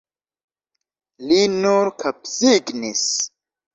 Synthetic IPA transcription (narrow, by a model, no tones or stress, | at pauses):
linuɾkʰapsiɡnis